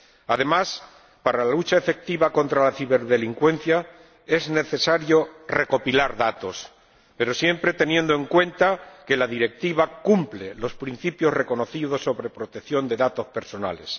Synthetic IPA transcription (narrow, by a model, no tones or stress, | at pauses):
aðe̞mas | paɾalalut͡ʃaefe̞k̚t̪iβako̞nt̪ɾalaθiβe̞ɾðe̞liŋkwe̞n̟θja | e̞zne̞θe̞saɾjo̞re̞ko̞pilaɾðat̪o̞s | pe̞ɾo̞sje̞mpɾe̞t̪e̞nje̞nd̪o̞eŋkwe̞nt̪ake̞laðiɾe̞k̚t̪iβakumple̞lo̞spɾin̟θipjo̞sre̞ko̞no̞θiðo̞sːo̞βɾe̞pɾo̞t̪ekθjo̞nd̪e̞ðat̪o̞spe̞ɾso̞na̰le̞s